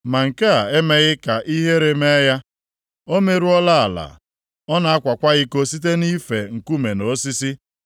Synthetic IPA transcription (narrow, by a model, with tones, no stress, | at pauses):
ma˨ŋ̩˨ka˦a˨e˦me˦ɣɪ˦ka˨ʔi˦ɦe˦ɾe˨me˦ja˦ | o˦me˨ɾu˦ɔ˦la˦a˨la̰˨ | ɔ˦na˨a˦kʷa˨kʷa˦ɣi˦ko˦si˦t̬e˦ni˦fe˨ŋ̩˨ku˦me˨no˨˦si˦si˦